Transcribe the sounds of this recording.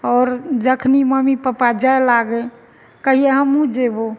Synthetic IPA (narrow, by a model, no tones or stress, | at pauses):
ɔːɾd͡ʒəkʰniməmipəpad͡ʒaelaɡe | kəɦieɦəmũd͡ʒebo